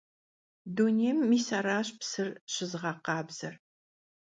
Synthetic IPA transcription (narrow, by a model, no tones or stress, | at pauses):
duneːmːiːsaɾaːɕpsɨrɕɪzʁɑqɑːbz̥ɐr